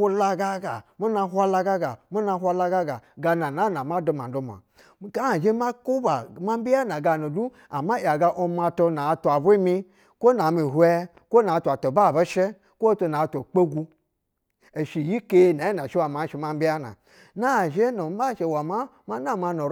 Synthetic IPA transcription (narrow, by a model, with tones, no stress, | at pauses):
u˦la˧ɡa˦ɡa˨mu˦na˧˦ɦʷa˦la˧ɡa˦ɡa˨mu˦na˧˦hʷa˧la˧ɡa˦ɡa˨ɡa˧na˨na˦na˨ma˦do˧ma̰˨n˨do˦m˨a̰˨˦ | ɡa˦˨ʒe˦ma˦ku˦ba˨ma˦m˦bi˦ja˦na˨ɡa˧no˨du˦ | a̰˨ma˦ja˨ɡa˧ʔo˧ma˧to˧na˨˦tu˨a˨bu˦i˦mi˧ | ko˦na˨mi˨ɦu˦e˧˦ | ko˦na˨˦tʷa˨to˨ba˦˨be˦ʃe˦ | kʷo˦to˧na˨to˨k͡pe˦ɡu˧ | e˨ʃi˨ji˦ke˧na˨˦i˦na˨ʃi˦wa˨ma˨˦ʃi˧ma˦mbi˦ja˦na̰˨ | na˦˨ʒe˦no˨m˦ba˦˨ʃe˧˨wa˨ma˦ | ma˦na˦˨ma˧no˨